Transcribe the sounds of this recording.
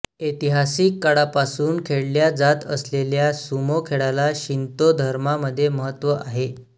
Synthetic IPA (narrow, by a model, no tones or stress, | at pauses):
et̪iɦasiːkːaɽapasuːnkʰeɽljad͡zat̪ə̰sleljasumokʰeɭalaɕint̪od̪ʱəɾmaməd̪ʱːjeməɦət̪ːʋəʔaɦe